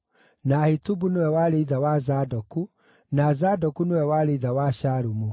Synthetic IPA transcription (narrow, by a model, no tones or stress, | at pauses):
nahitubunowɛwaɾeiðawazadɔku | nazadɔkunowɛwaɾeðawaʃaɾumu